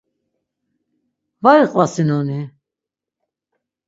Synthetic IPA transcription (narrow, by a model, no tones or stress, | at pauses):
vaɾiqʼvasinɔni